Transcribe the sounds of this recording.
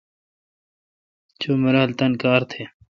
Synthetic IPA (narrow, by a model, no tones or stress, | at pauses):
t͡ɕoːmɐɾaːlt̪ɐnkaːɾt̪ʰheː